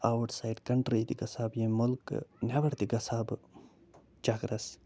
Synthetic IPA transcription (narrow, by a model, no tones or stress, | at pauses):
awʈsajɖkɐɳʈɾiːt̪iɡɐsaːbjẽmʊlknʲɐbɐɽt̪iɡɐsaːb | t͡ʃaɡɾɐs